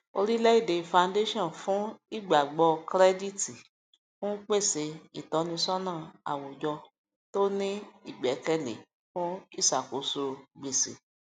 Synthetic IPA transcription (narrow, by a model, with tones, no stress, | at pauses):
o˧ɾi˦lɛ˦i˦˨de˨˧˨fã˧nde˦ʃɔ̃˦˨nfũ˨˦i˦˨ɡ͡ba˨ɡ͡bɔ˧kɾɛ˦di˦˨ti˨ | fũ˦k͡pe˦˨se˨˦i˨tɔ˨˧˦nĩ˧sɔ˦nãː˦˨a̰˨wõ˨d͡ʒɔ˧ | to˦nĩ˦i˦˨ɡ͡bɛ˨˦kɛ˦lḛ˨ | fũ˦i˦˨sa˨ko˨˦so˧ɡ͡be˨sḛ˨˦